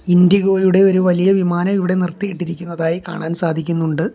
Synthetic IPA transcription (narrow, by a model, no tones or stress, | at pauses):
ind̪jiɣo̞ːjuɽe̞o̞ɾuʋɐlijɐʋimaːnɐmiʋiɽe̞nirt̪ːijiʈːiɾikʲːunːɐðaːjika̰ːɳaːnsaːd̪ʱikʲːunːuɳɖɨ